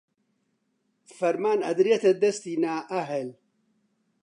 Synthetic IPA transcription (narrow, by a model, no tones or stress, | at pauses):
fɐɾmaːnɐ̰d̪ɾijɐt̪ɐd̪ɐst̪iːnaːʔɐɦɛl